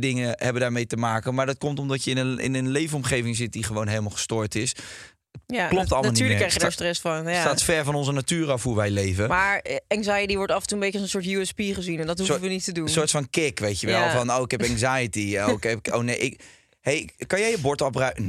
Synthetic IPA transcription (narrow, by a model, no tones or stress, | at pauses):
dɪŋəɦɛbəndaːɹmejtəmaːkənmaːɹdɔt̚kɔmtɔmdɔtjəɪnəɪ̰nənlejvənɔmχejvɪŋzɪt̚diχəʋownɦejləmalˠχə̥stoːɹtɪs | jaklɔp̚tɑlˠmalˠniːɹləkrɛjχjədaɹstrɛsfɑnsaːtfɛɹvɔnɔnzənatyːɾɑfhuɹʋɛjlejvəmaːɹɛŋzajətiʋɔɹtɑfəntuəmbejçənɑsənsʊːɹtjuɛspiχəzinɛndɔthusəʋənitədunsoːɹtfɑnkɪkʋejtjəʋɛlˠfɔnowɪkɦɛpɛŋzajətiɛnoɪkɛpkowneʔɪ | hejkɑnjɛjəbɔɹtɔpran